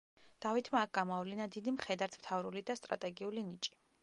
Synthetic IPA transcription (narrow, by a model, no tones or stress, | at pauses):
d̪̥avit̪ʰmaːk̚ʰɡ̥amɔavlinad̪id̪imχɛd̪aɾt̪ʰm̥t̪ʰavɾulid̪ast̪ʼɾa̰t̪ʼɛɡiulinit͡ʃʼi̥